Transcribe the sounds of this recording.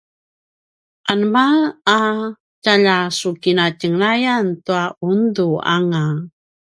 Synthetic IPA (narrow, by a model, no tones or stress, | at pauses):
ʔanmaa | caʎasukinacəŋnajantuaʔundua̰ŋa